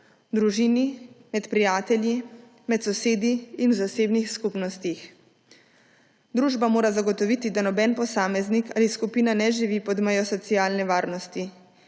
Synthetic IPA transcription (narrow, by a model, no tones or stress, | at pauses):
d̪ɾuʒiːnimɛt̪pɾijaːt̪ɛlji | mɛt̪sɔseːd̪iːnwzaseːbnixskupnɔst̪ix | d̪ɾuːʒbamoːɾazaɡɔt̪ɔʋit̪id̪anɔbɛnpɔsaːmɛznikaːliskupiːnanɛʒiʋiːpɔd̪mɛjɔsɔt̪siaːlnɛʋaːɾnɔst̪i